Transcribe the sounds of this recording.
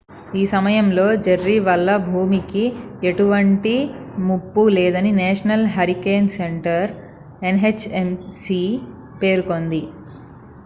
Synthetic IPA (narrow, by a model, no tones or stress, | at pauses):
iːsɐmɐjɐmlo̞ːd͡ʒɐɾːiʋɐlːɐbʱuːmikieʈuʋɐɳʈimupːulɛːd̪ɐnineːʂɐnɐlɦɐɾikeːnseɳʈɐɾ | enɦet͡ʃemsi | pe̞ːɾuko̞nd̪i